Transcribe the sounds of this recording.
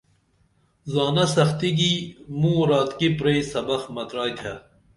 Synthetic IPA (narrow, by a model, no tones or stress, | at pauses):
zaːnɐsɐxt̪iɡimũɾaːt̪kipɾejsɐbɐxmɐt̪ɾaːjt̪ʰa